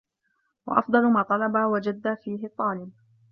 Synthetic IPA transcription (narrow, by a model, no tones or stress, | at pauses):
wa̰ʔɑ̰fd̪ˤɑlʊmaːt̪ˤɑlɑbaːwad͡ʒad̪ːaːfiːɦɪt̪ˤːɑːlɪb̚